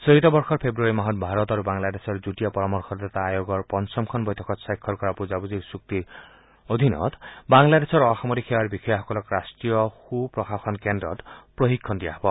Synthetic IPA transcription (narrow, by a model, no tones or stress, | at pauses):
sɔɦit̪ɔbɔɾxɔɾpʰebɾuɔɾimaɦɔt̪̚bʱaɾɔt̪ɔɾubaŋlad̪esɔɾd͡ʒuʈijapɔɾɔmɔɾxʰɔɾd̪at̪aːjoɡɔɾpɔnsɔmkʰɔnbɔjt̪ʰɔkʰɔt̪sajkʰːɔɾkɔɾapuzabuziɾsuk̚t̪i | od̪ʱinɔ̰t̪baŋlad̪esɔɾɔxamɔɾikʰewaɾbixɔjaɦɔkɔlɔkɾasʈɾijɔxupɾɔxaxʰɔnkendɾɔ̰t̪pɾoɦikʰːɔnd̪ija̰ɦɔbɔ